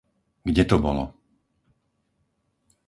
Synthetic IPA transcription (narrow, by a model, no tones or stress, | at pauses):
ɡɟɛt̪ɔbɔlɔ̰